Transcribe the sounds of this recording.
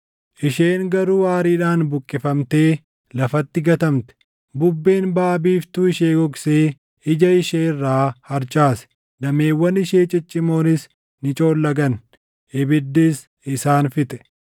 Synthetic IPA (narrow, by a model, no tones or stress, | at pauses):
ʔɪʃe̞ːŋɡɐɾuːaːɾiːᶑaːnbʊkʼːɪfɐmt̪e̞ː | lɐfɐt̪ːɪɡɐt̪ɐmt̪ɛ̥ | bʊbːe̞ːnbaːbiːft̪uːɪʃeːɡɔkseː | ɪd͡ʒɐɪʃeːɪrːaːhɐɾt͡ʃʼaːsɛ̥ | d̪ɐme̞ːwːɐnɪʃeːt͡ʃʼɪt͡ʃʼːɪmo̞ːnɪs | nɪt͡ʃʼo̞ːlːɐɡɐn | ʔɪbɪd̪ːiːs | ɪsaːnfɪt̪ʼɛ̥